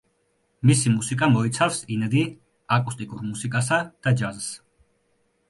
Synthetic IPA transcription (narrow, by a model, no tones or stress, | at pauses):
misimusikʼamɔit̪sʰafsinɛd̪i | akʼust̪ʼikʼuɾmusikʼasad̪̥ad͡ʒazs